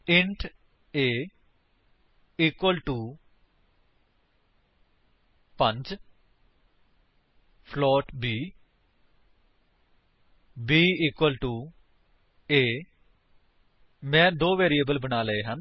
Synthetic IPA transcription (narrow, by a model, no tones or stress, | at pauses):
ɪɳʈʰ | eː | iːkwəlʈuː | pə̃ɲd͡ʒ | pʰlɔːʈbiː | biːiːkwəlʈuː | eː | mɛ̃ːd̪oːʋeːɾiːəːbəlbənaːləeːɦən